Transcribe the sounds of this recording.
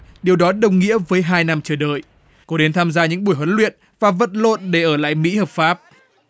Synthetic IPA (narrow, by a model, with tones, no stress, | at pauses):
ɗi˨˩əwɗɔ˨˦ɗə˨˩wŋ͡mŋḭ˧˥əvəː˨˦jɦaː˧jna˧mt͡ɕəː˧˩ɗə̰ː˧˨j | kɔ˨˦ɗe˨˦nt̪ʰaː˧mzaː˧ɲɨ̰˧˥ŋɓu˧˩əjɦwə˨˦nlwḭ˧˨ən | vaː˨˩və̰˧˨t̚lo̰˧˨nɗe˧˩ʔəː˧˩la̰ː˧˨jmḭ˧˥həː˨˩p̚faː˦˥p̚